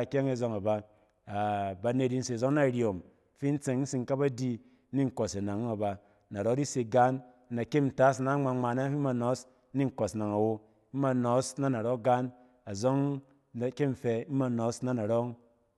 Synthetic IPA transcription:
kʲe˦ŋe˦zo˧ŋa˨ba˧ | a˨ba˧ne˧di˧n̩˦se˨zo˦ŋna˦˨ɾi˨o˨m˨ | fi˦n̩˦t͡se˨ŋn̩˦si˨ŋ˦ka˦ba˦di˧˦ | ni˦ŋ̩˨ko˨se˨na˨ŋ˦a˨ba˨˦ | na˨ɾo˦di˦se˧ɡa˦n˦ | na˨ke˦n̩˨ta˦sna˨˦ŋ͡ma˧ŋ͡ma˨na˦fi˦ma˧nɔ˨˦s | ni˦ŋ̩˨kɔ˨sna˨ŋa˨wo˧˦ | m̩˦ma˧nɔ˨˦sna˦na˨ɾo˦ɡa˦n | a˨zo˦ŋ | a˨ke˦m̩˨fe˧˦ma˧nɔ˨˦sna˦na˨ɾɔ˦ŋ

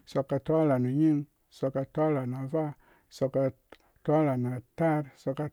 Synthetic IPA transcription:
so˧kːa˨tʷa˦la˨na˨ɲi˦ŋ | so˨˧kːa˨tʷa˦la˨na˨va˦ | so˧ka˧ | ta˦la˨na˨ta˦ɾso˧kːa˨

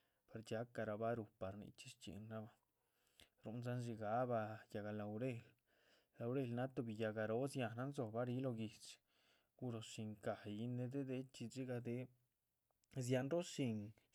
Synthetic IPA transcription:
pa˨ɾd͡ʒa˦ka˧ɾa˧ba˦ɾu˧pa˨ɾnḭ˧˦t͡ʃi˦ʂt͡ʃḛ˨nːa˦ba˧ | ɾṵ˧˦nza˦nʃ̬i˧ɡa˦ba˧ja˨ɡa˧la˨wɾe˧l | la˨wɾe˧˨lna˦t̪o˧bi˨ja˧ɡa˨˧ɾo˦sja˧˨na˦nzo˨ba˦ɾi˦lo˧ɡi˨t͡ʃ | ɡu˧ɾo˨ʂi˧ŋka˨ji˦ne˧d̪e˦d̪e˧t͡ʃi˧d͡zi˦ɡa˧d̪e˦ | z̬ja˧nɾo˦ʃi˧ŋ

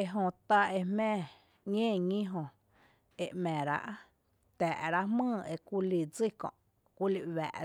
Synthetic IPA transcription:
e˧ɦõ˧t̪a˧e˧mmɛ̃ː˦˧ | ŋẽː˦˨ɲĩ˦ɦõ˧ | e˧ʔmɛ̃˨ɾa̰˧ʔ | t̪ɛː˨ʔɾa˦ʔmɨ̃ː˦˧˨e˧kʷu˧li˧˨d͡zi˦˨kɔ̰̃˧˨ʔ | kʷi˦li˧ʔwæ̰ː˨ʔ

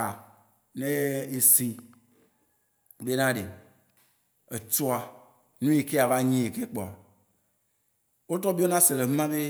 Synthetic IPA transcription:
a˨ | nẽ˦e˨si˨ | be˦nã˦ɖe˨ | e˨t͡ʃɔ˦a˨ | nũ˦je˨ke˦a˨va˦ɲĩ˦e˨ke˦k͡pɔ˨a˨ | wo˦t̪ɔ˦bi˦o˦nã˦se˨le˨ɦũ˦mã˦be˦

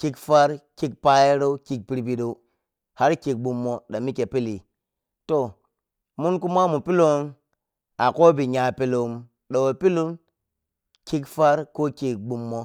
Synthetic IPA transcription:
ki˦kfa˦ɾki˦k̚pa˦je˦ɾo˦u˦ki˨k̚pi˨ɾbi˨ɗo˨u˦ | ha˦ɾki˨k̚ɓu˨mːo˨ɗa˨mi˦ke˨pi˦li˨ | to˨ | mu˦nku˦ma˦mu˨pi˦lo˨˦ŋ | a˨ko˦bi˨ɲa˨pi˦lo˨˦m | ɗo˨wo˨pi˦lu˦n | ki˦kfa˦ɾko˦ki˨k̚ɓu˨mːo˦

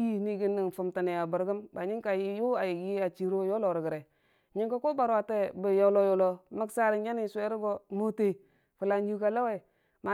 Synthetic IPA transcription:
i˦ni˨ɡi˦nːi˨n˨fu˨mta˨ne˨a˨bə˨ɾɡə˦mba˨ɲi˦ŋka˨ji˦jo˦a˨ji˨ji˦a˨t͡ʃi˨ɾo˦jo˦lo˨ɾɡə˨ɾe˨ | ɲi˦ŋka˦ko˦ba˨ɾa˨te˦˨bə˨jo˦lo˦jo˨lo˨ma˦ksa˦ɾi˨nja˦ni˦˨se˦ɾɡo˦mo˦te˨ | fu˨la˦nju˦ka˦la˦we˦˨ | ma˨

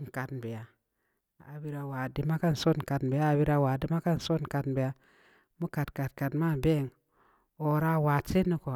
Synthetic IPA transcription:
n˨ka˨tnbe˨ja˨ | a̰˨bi˦ɾa˨wa˨di˨ma˦ka˦n˨so˦n˨ka˨tn˨be˨ja˦a˨bi˦ɾa˦wa˨di˦ma˦ka˦n˨so˦n˨ka˨tnbe˨ja˦ | mu˦ka˨tka˨t̚ka˨tma˦˨be˦˨ŋ | o˨ɾa˦wa˨t͡ʃe˦nu˦ko˨

